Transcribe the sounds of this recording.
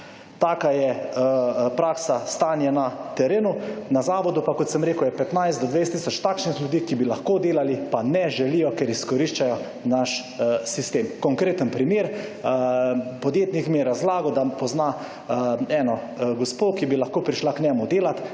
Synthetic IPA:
t̪aːkajɛ | pɾaːksast̪aːnjɛnat̪ɛɾeːnunazaːʋɔd̪upakɔt̪sɛmɾeːkʊwjɛpɛt̪najszd̪d̪ɔd̪ʋejst̪isɔt͡ʃt̪akʃnixljud̪iːkibilaxkoːd̪eːlalipanɛʒɛlijɔkɛɾiskɔɾiʃt͡ʃajɔ | naʃ | sist̪eːmkɔŋkɾeːt̪ənpɾimeːɾ | pɔd̪jeːt̪nikmijɛɾazlaːɡɔd̪apɔzna | ɛnɔɡɔspokibilaxkoːpɾiʃlaknʲɛmʊd̪eːlat̪

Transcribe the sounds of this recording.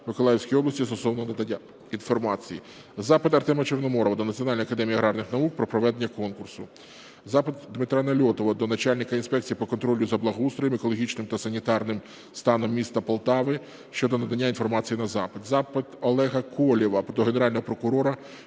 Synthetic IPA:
mɪkɔlˠɑjewsʲkʲijiɔblˠɐsʲtʲist̪ɔsɔwnɔnɐd̪ɐnʲːa | infɔrmɑt͡sʲiji | zɑpɪt̪ɐrt̪ɛmɐt͡ʃernɔmɔɾɔʋɐd̪ɔnɐtt͡sʲiɔnɑlʲnɔjɐkɐd̪ɛmʲijiɐɦɾɑrnɪxnɐuk̚pɾɔpɾɔʋɛd̪enʲːɐkɔnkʊrsʊ | zɑpɪt̪d̪mɪt̪ɾanɐlʲɔt̪ɔʋɐd̪ɔnɐt͡ʃalʲnɪkɐinspɛk̚t͡sʲijipɔkɔnt̪ɾɔlʲʊzɐblˠɐɦust̪ɾɔjɪmekɔlˠɔɦʲit͡ʃnɪmt̪ɐsɐnʲit̪ɑrnɪm | st̪ɑnɔmːʲist̪ɐpɐlˠt̪ɑʋɪ | ʃt͡ʃɔd̪ɔnɐd̪ɐnʲːainfɔrmɑt͡sʲijinɐzɑpɪd̪zɑpɪt̪ɔlˠɛɦɐkʰɔlʲiʋɐpɔt̪ɔɦeneɾɑlʲnɔɦɔpɾɔkʊɾɔɾɐ

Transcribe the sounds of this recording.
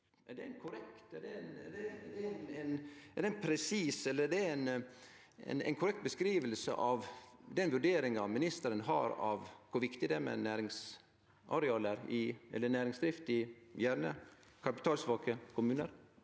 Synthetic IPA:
æɖɛnkʰʊɾɛkt̪ɛɖɛn̰dɛd̪ɛnɛnɛɖɛnpʰɾɛsiːsɛlːəɖɛɛn | ɛ̰nɛ̰ɪnkʰʊɾɛk̚t̪̚bəskɾiːʋəlsə̰ʔɑʋd̪ɛnʋʉɖeːɾɪŋɑmɪnɪst̪əɾənɦɑ̰ɾɑ̰ʋkʰʊɾʋɪkt̪ɪd̪ɛmɛ̰næːɾɪŋs | ʔɑɾɛɑːlæɾɪʔɛ̰lːənæːɾɪŋsd̪ɾɪft̪ɪjæɾnə | kʰɑpɪ̥t̪ʰɑːlsʋɑːkəkʰʊmʉːnəɾ

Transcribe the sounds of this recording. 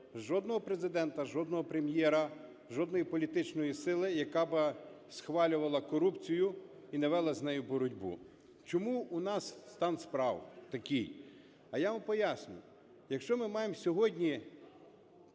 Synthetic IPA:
ʒɔd̪nɔɦɔpɾezɪd̪ɛnt̪ɐʒɔd̪nɔɦɔpɾemjɛɾɐ | ʒɔd̪nɔjipɔlʲit̪ɪt͡ʃnɔjisɪlˠɪjɐkɑbɪ | sxʋɑlʲʊʋɐlˠɐkɔɾupt͡sʲijʊ | inɛʋɛlˠɐzʲnɛjʊbɔɾʊdʲbṵ | t͡ʃɔmuunɑsst̪ɑnspɾɑwt̪ɐkʲij | ɐjaʋɐmpɔjasʲnʲʊ̰ | jɐkʃt͡ʃɔmɪmɑjemsʲɔɦɔdʲnʲi

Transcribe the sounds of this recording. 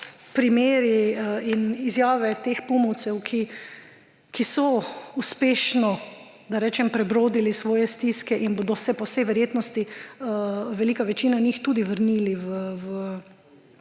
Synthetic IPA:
pɾimeːɾiəinizjaːʋɛt̪eːxpumuwt̪sɛwkʰi | kisɔuspeːʃnɔ | d̪aɾɛːt͡ʃɛmpɾɛbɾoːd̪ilisʋɔːjɛst̪iskɛʔinboːd̪ɔsɛpɔwsɛjʋɛɾjeːt̪nɔst̪i | ʋɛliːkaʋɛt͡ʃiːnanixt̪uːd̪iʋəɾniːliʋəʋə

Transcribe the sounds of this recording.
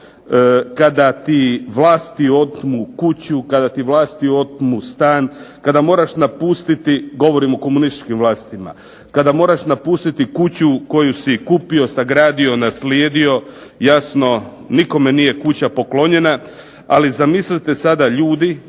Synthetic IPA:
kad̪at̪iʋlaːst̪io̞t̪mukut͡ɕukad̪at̪iʋlaːst̪io̞t̪must̪aːnkad̪amo̞ːɾaʃnapuːst̪it̪iɡo̞ʋo̞ɾimo̞ko̞munist̪i̥t͡ʃkimʋlˠaːst̪ima̰ | kad̪amo̞ːɾaʃnapuːst̪it̪ikut͡ɕuko̞jusikupio̞saɡɾaːd̪io̞nasljeːd̪io̞ | jasno̞ | niko̞menije̞kut͡ɕapo̞klo̞ɲe̞na | alizamislit̪esad̪aʎuːd̪i

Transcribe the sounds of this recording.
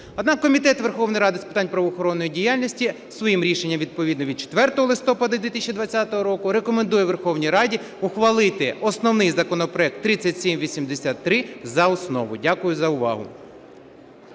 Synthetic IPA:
ɔd̪nɑkːɔmʲit̪ɛt̪ʋerxɔwnɔjɾɑd̪ɪspɪ̥t̪ɑnʲpɾɐʋɔːxɔɾɔnːɔjidʲijalʲnʲisʲtʲi | sʋɔjimɾʲiʃenʲːɐmʋʲid̪̚pɔʋʲid̪nɔʋʲid̪̚t͡ʃe̥t̪ʋɛrt̪ɔɦɔlˠɪst̪ɔpɐd̪ɐd̪ʲʋʲit̪isʲʃʲt͡ʃid̪ʋɐt͡sʲːat̪ɔɦɔɾɔkʊɾekɔmend̪ujɛʋerxɔwnʲijɾɑdʲi | ʊxʋɐlˠɪt̪ɪɔsnɔwnɪjzɐkɔnɔpɾɔɛk̚t̪ːɾɪt͡sʲːɐtʲsʲimʋʲisʲimd̪esʲat̪ːɾɪzɐɔsnɔ̰ʋʊdʲakʊjʊzɐʊʋɑ̰ɦʊ̰

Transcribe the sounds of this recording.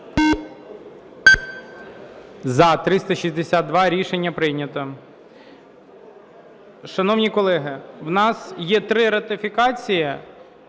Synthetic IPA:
zɐt̪ɾɪst̪ɐʃizʲd̪esʲad̪̚d̪ʋɑɾʲiʃenʲːɐpɾɪnʲɐt̪ɔ | ʃɐnɔwnʲikɔlˠɛɦɪwnɑsjɛt̪ɾɪɾɐt̪ɪfʲikɑt͡sʲijɐ

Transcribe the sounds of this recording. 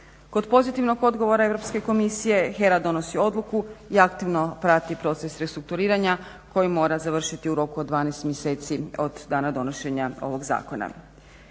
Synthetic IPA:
ko̞d̪po̞zit̪iʋno̞ɡo̞d̪ɡo̞ʋo̞ɾae̞ʋɾo̞pske̞ko̞misije̞xe̞ɾad̪o̞no̞sio̞d̪lˠukuiakt̪iʋno̞pɾat̪ipɾo̞t̪se̞sɾe̞st̪ɾuk̚t̪uɾiːɾaɲa | ko̞jimo̞ːɾazaʋr̩ʃit̪iuɾo̞kuod̪d̪ʋaːnest̪mjese̞ːt̪sio̞d̪ːaːnad̪o̞noʃe̞ɲao̞̰ʋo̞ɡza̰ːko̞na̰

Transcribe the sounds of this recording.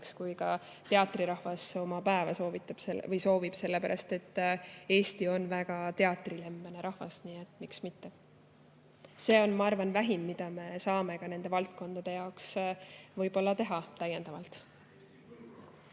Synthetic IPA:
kskujkɑ | t̪e̞ɑt̪ˑriɾɑhvɑso̞mɑpæevɑso̞ːvit̪ːˑɑb̥sevɤjso̞ːvib̥se̞lːepæɾʔɑ̰st̪e̞t̪ːe̞ːst̪io̞nvæɡ̥ɑt̪e̞ɑt̪ˑrile̞mb̥ɑne̞ɾɑhvɑ̰sniːet̪ːˑmiksmit̪ːe | se̞ːo̞nmɑɑrvɑnvæɦimːid̪̥ɑme̞sɑːme̞ɡ̥ɑne̞nd̪e̞vɑlt̪̚ko̞nd̪̥ɑd̪̥e̞jɑoksvɤjb̥o̞lːɑt̪e̞ɦɑt̪æje̞nd̪̥ɑvɑlt̪

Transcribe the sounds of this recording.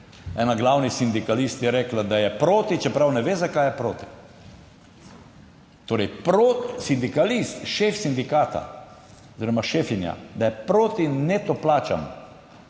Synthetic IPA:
ɛ̰naɡlawnisind̪ikalist̪jɛɾɛklad̪ajɛpɾoːt̪it͡ʃɛpɾawnɛʋeːzakaːjɛpɾoːt̪i̥ | t̪oːɾɛjpɾosind̪ikalist̪ʃefsind̪ikaːt̪a̰ | oziɾɔmaʃeːfinja̰d̪ajɛpɾoːt̪inɛt̪oplaːt͡ʃa̰mɔ

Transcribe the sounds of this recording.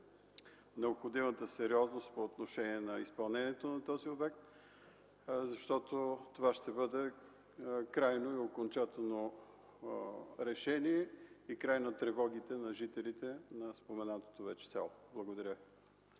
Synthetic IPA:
nɛopxod̪imət̪əsɛɾiɔznost̪̚poːt̪noʃɛniɛnɐispɐlˠnɛnʲiɛt̪onɐt̪ɔziobɛk̚t̪ | zɐʃt̪ɔt̪ot̪ovaʃt̪ɛbɤd̪ɛ | kɾajnoiokont͡ʃat̪ɛlˠno | ɾɛʃɛniɛikɾajnɐt̪ɾɛvɔɡ̟it̪ɛnɐʒit̪ɛlit̪ɛnɐspomɛnat̪o̥t̪ovɛt͡ʃɛ̥sɛ̰lˠoblˠɐɡod̪ɐɾʲə

